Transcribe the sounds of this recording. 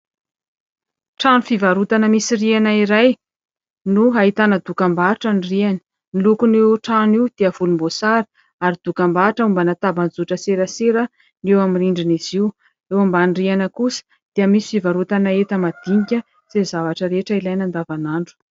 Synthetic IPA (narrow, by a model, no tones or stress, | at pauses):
ʈ͡ʂanufivaɾut̪anəmisirianaiɾaj | nuɦaɦit̪anəd̪ukambaʈ͡ʂaniriani̥ | nilukunewʈ͡ʂaniwd̪̥eəv̥ulumbosaɾi̥ | aɾid̪̥ukambaʈ͡ʂəumbanat̪aband͡zuʈ͡ʂəseɾəseɾə | newaminiɳɖ͡ʐiniziw | ewambanirianəkusə̥ | d̪̥iəmisifivaɾut̪anaet̪əmad̪̥iɲikʲə | z̥ezavaʈ͡ʂəɾeʈ͡ʂəilajnand̪avanaɳɖ͡ʐu̥